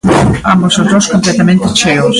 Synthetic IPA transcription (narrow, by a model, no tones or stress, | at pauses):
ambosozðoskõmplɛt̪amẽnt̪ɪt͡ʃeos